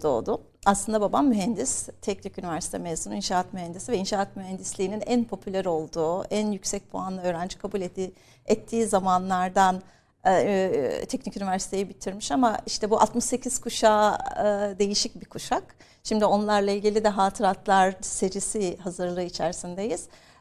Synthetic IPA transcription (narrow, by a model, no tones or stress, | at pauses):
d̪o̞̰ːd̪ʊ | aslˠɯnd̪ababamːyɦænd̪ist̪ʰɛcnicynivæɾsi̥t̪ʰɛmezuninʃaːat̪myɦænd̪isivɛinʃaːat̪myɦɛnd̪islʲiːninænpʰo̞pʰylʲæɾo̞lˠd̪uːænjycsɛc̚pʰo̰anˠaø̞ːɾænd͡ʒi̥kʰabulʲɛi | ɛt̪ʰːiːzamanlˠaɾd̪an | t̪ʰɛcnicynivæɾsi̥t̪ʰe̞jibit̪ʰiɾmiʃamaiʃt̪ʰɛbuʔat̪mɯʃse̞cʰiz̥kʰuʃaːɯd̪e̞jiʃic̚bikʰuʃak | ʃimd̪io̞nlˠaɾlˠailʲɟilʲid̪ɛɦaːt̪ʰɯɾat̪ʰlˠaɾse̞d͡ʒisiɦazɯɾlˠɯːit͡ʃʰæɾsind̪ejiz̥